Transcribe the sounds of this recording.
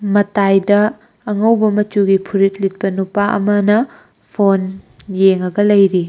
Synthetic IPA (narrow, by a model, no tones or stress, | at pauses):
mɐtajdɐː | ŋɐwbɐmɐt͡ʃuɡipʰuɾit̚lit̚pɐnupaʔɐ̰mɐnɐ | pʰon | jeŋɐɡɐlɐjɾi